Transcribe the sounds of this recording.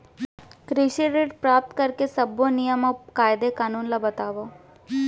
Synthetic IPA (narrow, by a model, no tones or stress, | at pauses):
kɾɪʃiɾeːʈpɾaːp̚t̪kəɾkesɐbonɪjəməkaːɪd̪ekaːnuːnlabət̪aːʋo